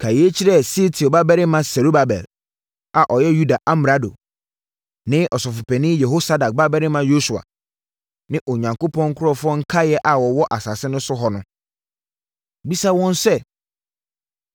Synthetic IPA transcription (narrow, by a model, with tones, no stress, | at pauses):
kʰa˨ji˨e˦t͡ɕʰi˦ɾɛ˦˨si˦tʰi˨ɔ˨ba˦bɛ˦ɾɪ˦mã˦sɛ˨ɾu˦ba˨bɛ̰˨l | a˨ʔɔ˨jɛ˦ju˦da˨ʔa˦m˨ɾa˦do̰˨ | nɪ̃˦ʔɔ˨sɔ˨fʊ˨pʰɛ˨nɪ̃˦jɛ˨ɦo˦sa˦da˨k̚ba˦bɛ˦ɾɪ˦mã˦jo˦su˨a̰˨ | nɪ̃˦ʔo˨ɲã˨ŋko˦pʰɔ̃˦ŋ̩˦kʰʊ˦ɾɔ˦fʊ˦ɔ˦ŋ̩˦kʰa˦jɛ˦ʔa˨wɔ˨wɔ˦ʔa˨sa˨sɪ˦nʊ̃˦sʊ˦ɦɔ˨nʊ̃˦ | bi˦sa˦wɔ̃˦n˦sɛ˦